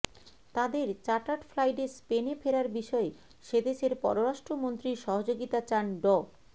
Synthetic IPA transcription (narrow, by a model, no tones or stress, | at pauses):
t̪ad̪eɾt͡ɕaʈaʈfʰlajʈespenefeɾaɾbiʃɔe | ʃed̪eʃeɾpɔ̰ɾoɾaʃʈɾomont̪ɾiʃɔɦod͡ʑoɡit̪at͡ɕanɖɔ